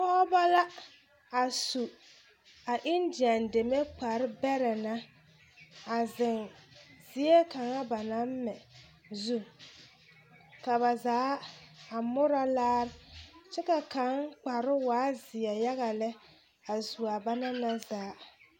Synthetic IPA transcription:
kɔ˦ɔ˦ba˦la˦ | a˨su˨ | a˨ʔɪ˦ndɪ˨a˨nde˨me˦k͡pa˨ɾɪ˦bɛ˦ɾɛ˨na˦ | a˨zɪ˨nzɪ˨˦e˦ka˨ŋa˦ba˨na˦m˦mɛ˨ | zu˦ | ka˨βa˨zaː˨˦a˨mʊ˦ɾa˦laː˦ɾɪ˦t͡ʃɛ˦ka˨ka˨˦ŋk͡pa˨ɾɪ˦waː˨˦zɪ˨ɛ˨ja˦ɣa˨lɛ˦ | a˨su˨a˨ba˦na˦na˦zaː˨˦

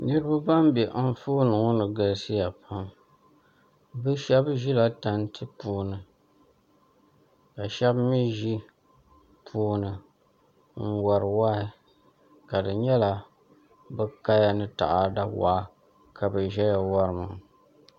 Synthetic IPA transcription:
nɨ˦ɾɨ˦ba˦ba˦m˦bɛ˨ʔ̩˦fuː˦nɨ˨ŋʊ˦nɨ˨ɡa˨lsi˦ja˨pʰa˦m | bɨ˦ʃɛ˦bʒi˦la˨ta˨ntʰɨ˦puː˨˦nɨ˨ | ka˨ʃɛ˦bmi˦ʒi˦ | pʰuː˦nɨ˨ | ŋ̩˦˨wa˨ɾɨ˨waː˦ɪ˨ | ka˨dɨ˨ɲɛ˦la˨ | bɨ˦ka˦ja˦nɨ˦ta̰˨ʔa˨da˦wa̰˨˦ | kʰa˨bɨ˨ʒɛ˦ja˨wa˦ɾɨ˨mɨ˨

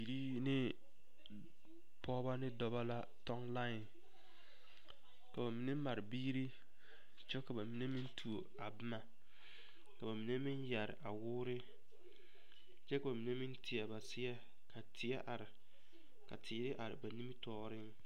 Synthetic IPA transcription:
bi˨ɾi˦ | nɪ˦ | pʰɔː˦ba˦nɪ˦dɔ˦ba˦la˦ | tɔ˦ŋla˦ɪ˨n | ka˨ba˨mi˨ne˦ma˨ɾɪ˨biː˦ɾi˦ | t͡ʃɛ˦ka˨ba˨mi˨ne˦mi˦ntʰu˨o˨ | a˨bɪ˦ma˨ | ka˨ba˨mi˨ne˦mɪ˦nja˨ɾɪ̰˨ʔa˨wʊː˦ɾɪ˦ | t͡ʃɛ˦ka˨ba˨mi˨ne˦mɪ˦n˦tʰɪ˨a˨ba˨sɪ˦ɛ˦ | kʰa˨tʰɪ˨a˦ʔa˨ɾɪ˨ | ka˨tʰɪː˨˦ɾɪ˦ʔa˨ɾɪ̰˨ba˨ni˦mi˦tɔː˦ɾɪ˦ŋ

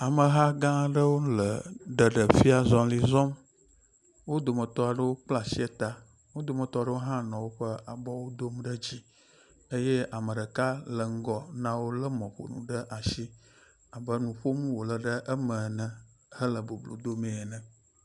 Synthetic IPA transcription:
a˨mə˨ɦa˦ɡã˦ɖə˦wõ˦lə˨ɖə˨ɖə˨fi˦a˨zɔ̃˨li˨zɔ˦m | wo˦d̪o˨mə˨t̪ɔ˦a˨ɖə˦wo˦k͡pla˨si˦ɛ˦t̪a˦ | wo˦d̪o˨mə̃˨t̪ɔ˦ɖə˦wo˦ɦã˦nɔ̃˨wo˦ɸə˦a˨bɔ˦wo˦d̪o˦mɖə˦d͡ʑi˦ | ə˦je˦a˨mə˨ɖə˨ka˦lə˨ŋ̩˦ɡɔ˨nã˦wo˦lə˦mɔ̃˨ɸo̰˨nṵ̃˨ɖə˦ʔa˨ʃi˦ | a˨bə˦nũ˨ɸo˦mũ˦wo˨lə˨ɖə˦ʔə˦mə˨nə̃˨ | hə˦lə˨bo˨blo̰˨d̪o˦mẽ˨ɛ˨nə̃˨

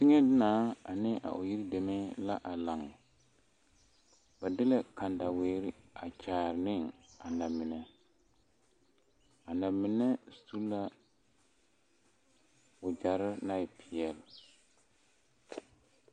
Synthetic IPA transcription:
tɪ˦ŋɛ˦dɪ˦naː˨˦a̰˨nɪ˦ʔa̰˨ʔʊ˨ji˦ɾi˦de˨me˦la˦ʔa˨la˨ŋ˨ | ba˨dɪ˦lɛ˦kʰa˨nda˨weː˨˦ɾɪ˦a˨t͡ʃaː˨ɾɪ˨nɪ˦˨ŋa˨na˨mɪ˨nɛ˦ | a˨na˨mɪ˨nɛ˦˨˦tu˦la˦ | ʊ˨d͡ʒa˨ɾɪ˦na˦˨pʰɪ˨jɛ˨l

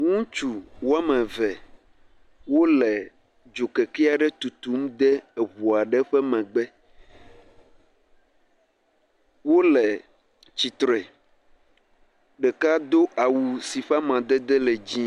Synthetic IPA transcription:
ŋũ˦t͡ʃu˨wo˦a˦mɛ̃˨vɛ˨ | wo˦lɛ˨ | d͡ʒo˨kɛ˨kɛ˦a˨ɖɛ˦t̪u˨t̪u˨˦m˦d̪ɛ˦ɛ˨βu˨a˨ɖɛ˦ɸɛ˦mɛ̃˨ɡ͡bɛ˦ | wo˦lɛ˨ | t͡ɕi˨t̪ɾɛ˨ | ɖɛ˨ka˦d̪o˦ʔa˨wu˨si˨ɸa˦mã˨d̪ɛ˦d̪ɛ˦lɛ˨d͡ʑĩ˦

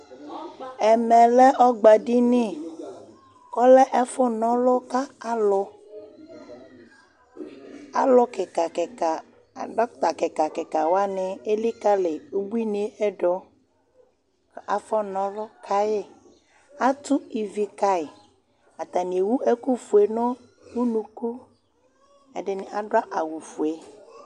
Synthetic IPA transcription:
ɛ˨mɛ̃˨lɛ˦ʔɔ˦ɡ͡ba˨ɖi˦ni˦ | kɔ˦lɛ˦ʔɛ˦fɔ˦nɔ̃˦lɔ˦ka˦a˦lɔ˦ | a̰˦lɔ˦kɛ˨ka˨kɛ˨ka˨ | ɖɔ˦t̪a˨kɛ˨ka˨kɛ˨ka˨wa˦nẽ˨e˦li˦ka˦le˨u˦bu˦i˦ni˨˦e˦ɛ˦ɖɔ˦˨ | a˨fɔ˦nɔ̃˨lɔ˦kʰa˦je˦ | a˦t̪u˦i˨vi˨ka˦e˨ | a˨t̪a˨nĩ˨e˨wu˦ʔɛ˦ku˦fu˨e˨nɔ̃˦ | wu˦nũ˦ku˦ | ɛ̰˨ɖɪ˨nɪ˨ʔa˨ɖo˦a˦ʔa˨wu˨fu˨e˨

